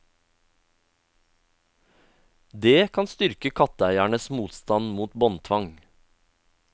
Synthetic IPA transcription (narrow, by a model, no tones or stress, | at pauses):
d̪eːkʰɑnst̪ʏɾkəkʰɑt̪əæɪæɳəsmuːt̪st̪ɑnmuːt̪bɔnt̪ʰʋɑŋ